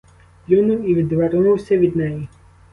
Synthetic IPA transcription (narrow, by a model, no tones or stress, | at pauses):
jʲunuwiʋʲid̪ʋɛɾnuwsʲɐʋʲid̪nɛji